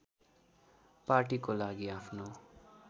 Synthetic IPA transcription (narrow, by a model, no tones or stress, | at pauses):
paɾʈikolaɡiapʰno